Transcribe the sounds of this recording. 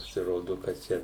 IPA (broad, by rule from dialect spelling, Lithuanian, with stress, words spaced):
pɐsʲɪˈroːdʊ kɐt ˈt͡ʃʲɛ